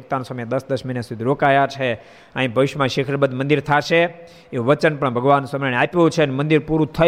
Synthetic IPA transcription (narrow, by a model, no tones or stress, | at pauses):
k̚t̪ansəmjẽd̪əsd̪əʃminesid̪ʱiɾokajat͡ʃʰe | ãĩbʱəʋɪʃəmãʃekʰəɾbəd̪ʱmənd̪iɾt̪ʰaʃe | euʋət͡ʃənpəɳbʱəɡʋansəməneapjõt͡ʃʰenmənd̪iɾpuɾut̪ʰə